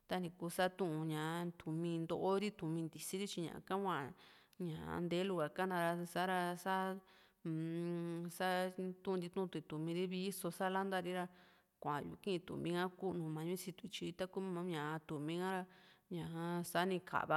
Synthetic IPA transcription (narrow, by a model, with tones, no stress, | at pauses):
t̪a˧nĩ˧ku˧˦sa˦t̪ũ˦ʔũ˧ɲã˨˧t̪ʰu˨mĩ˧nd̪o˧ʔo˦ɾi˦t̪u˨mĩ˧nd̪i˨si˦ɾi˦t͡ʃi˧ɲã̰˨ʔã̰˧kã˦kʷã˧˨ | ɲã̰˨˧nd̪e˦lu˧˨ɣa˨ka˦nã˧ɾa˧sa˦ɾa˧sa˦ | sa˦t̪ũ˦˧d̪i˧t̪ũ˦˧t̪u˧t̪u˨mĩ˧ɾi˦βi˦so˧sa˦la˦nd̪a˦ɾi˦ɾa˧ | kʷã˨jṵ˧˨˧kĩ˦ĩ˧t̪ṵ˨mĩ˧ŋã˦ku˦ʔnũ˧mã˨˧ɲũ˦si˧t̪u˧i˧t͡ʃi˧t̪a˦ku˦mã˧ɲã˨a˧t̪u˨mĩ˧ŋã˦ɾa˧ɲã˨˧a˧sa˦nĩ˧kʰa̰˨βa˧